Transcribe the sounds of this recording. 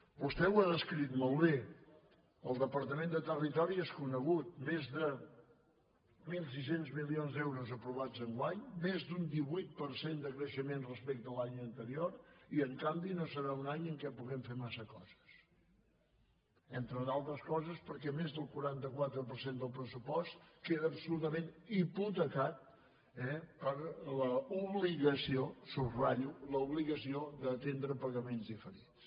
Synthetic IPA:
bust̪ɛwaðəskɾit̪molˠβe | əlˠd̪əpəɾt̪əmẽnd̪ət̪ərit̪ɔɾieskunəɣut̪̚mezðə | milˠs̬isenzmilionzd̪ɛwɾuzəpɾuβ̞ad͡zəŋɡwaɲmezd̪und̪iβujt̪̚pəɾsend̪əkɾəʃəmenrəspɛk̚t̪əlaɲənt̪əɾioɾiəŋkambinosəɾaunaɲəŋkɛpuɣɛmfemasəkɔz̥ə̥s | ent̪ɾəðalˠt̪ɾəskɔzəspəɾkɛmezðəlˠkuɾant̪əkwat̪ɾəpəɾsend̪əlˠpɾəsupɔst̪keðəːpsulut̪əmẽniput̪əkat̪̚ | ɛpəɾləuβliɣəsiosuraʎuləuβliɣəsiod̪əːt̪end̪ɾəpəɣəmenzðifəɾis

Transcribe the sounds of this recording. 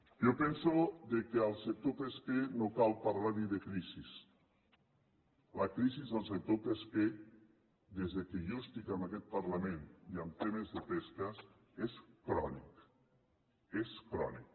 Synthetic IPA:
jopɛnsoðekeəlˠsek̚t̪opeskenokalˠpaɾlaɾniðekɾizis | ləkɾizizðəlˠsek̚t̪opeske | d̪ezðekeʒost̪ikəmakɛt̪̚pəɾləmẽniamt̪emezðəpeskəs | eskɾɔnḭk | eskɾɔ̰nik̚

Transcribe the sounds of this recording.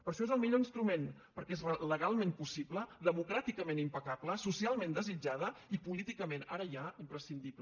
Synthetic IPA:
pəɾʃɔezəlˠmiʎoinst̪ɾumen | pəɾkɛezələɣalˠmempusibləðəmukɾat̪ikəmenimpəkabləsusialˠmẽnd̪əzid͡ʒaðəipulit̪ikəmẽnaɾəjaimpɾəsind̪ipl

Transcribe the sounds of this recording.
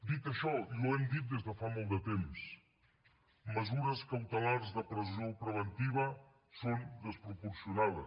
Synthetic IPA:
d̪it̪ɐʃɔoɛmd̪it̪̚d̪ezðəfamolˠd̪ət̪ems | məzuɾɐskawt̪elaɾzðɐpɾəzopɾəβent̪iβɐ | sond̪əspɾupuɾsjunaðɐ̰

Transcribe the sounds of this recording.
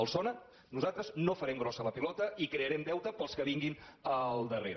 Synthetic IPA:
əlˠsɔnə | nuzat̪ɾəznofəɾɛmɡɾɔsələpilɔt̪əʔikɾeəɾɛmd̪ɛwt̪əpəlˠskəβiŋɡinəlˠd̪əreɾə

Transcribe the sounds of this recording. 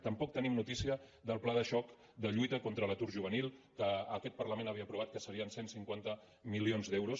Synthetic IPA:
t̪əmpɔk̚t̪ənimnut̪isiəðəlˠplaðəʃɔk | d̪əʎujt̪əkɔnt̪ɾələt̪uɾʒuβ̞ənilˠkəːkɛt̪̚pəɾləmẽnəβiəpɾuβ̞at̪̚kəsəɾiənsensiŋkwant̪ə | milionzd̪ɛwɾus

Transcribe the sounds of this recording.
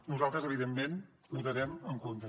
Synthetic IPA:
nuzalˠt̪ɾəzəβiðemːen | but̪əɾɛməŋkont̪ə

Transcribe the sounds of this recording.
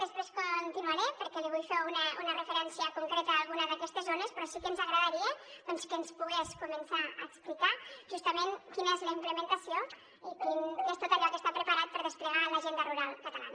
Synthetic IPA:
d̪əspɾeskunt̪inuaɾepəɾkɛliβujfeunəunərəfəɾɛnsiəkuŋkɾet̪əːlˠɣunəðəkɛst̪əzonespɾɔsikənzəɣɾəðəɾieð̥ɔnskənspuɣeskumənsaə̰ːksplikaʒ̥ust̪əmenkinezləimpləmənt̪əsjo | ikinest̪ot̪əʎɔkəst̪apɾəpəɾat̪̚pəɾðəspləɣ̞aləʒend̪əruɾalˠkət̪ala̰nə

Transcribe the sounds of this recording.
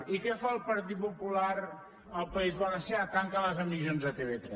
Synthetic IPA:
ikɛfalˠpəɾt̪id̪̚pupulaɾ | əlpəizβaɾəseak̪aŋkaləzəmizjonzət̪eβet̪ɾɛ

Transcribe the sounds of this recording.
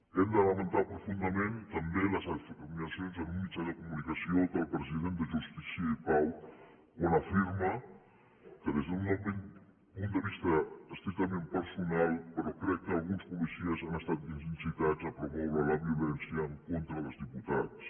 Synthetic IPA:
end̪əlamənt̪apɾufund̪ɐmẽnt̪ambeləsat̪ifikaminasjonsamumit͡ʃaðəkumunikasiot̪əlpɾəziðent̪d̪əʒust̪isjaipaw | unafiɾma | kəðezd̪unomen | punt̪d̪əβist̪ɐəst̪ɾik̚t̪amẽmpəɾsunalˠpəɾɔkɾɛkːəalˠɣunspulisiəzanəst̪at̪̚d̪insinsit̪at͡sapɾomoβalɐβjulɛnsjəŋkont̪ɾəðəlˠzðiput̪at̪s

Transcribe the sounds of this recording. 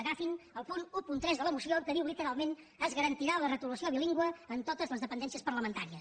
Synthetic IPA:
əɣafinəlˠpunupunt̪ɾɛzðələmusiokəðiwlit̪əɾalˠmen | əzɣəɾənt̪iɾalərət̪ulusioβiliŋɡwəːnt̪ot̪əzləzðəpənd̪ɛnsiəspəɾləmənt̪aɾiəs

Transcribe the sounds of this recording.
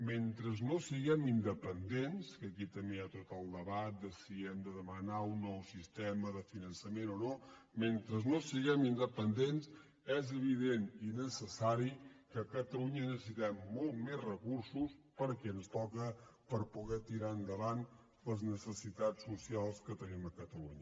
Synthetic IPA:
ment̪ɾəznosiɣɛmind̪əpənd̪enskəkit̪əmeat̪ot̪əlˠd̪əβat̪̚d̪əsiɛmd̪əðəmənaunːɔwsist̪ɛməðəfinənsəmenono | ment̪ɾəznosiɣɛmind̪əpənd̪ens | ɛzəβ̞iðeninəsəsaɾikəkət̪əluɲənəsəs̬it̪ɛmːolˠt̪mezrəkuɾsuspəɾkɛənst̪ɔkəpəɾpuɣɛt̪iɾaənd̪əβan | ləznəsəsit̪at͡ssːusialˠskət̪əniməkət̪əluɲə

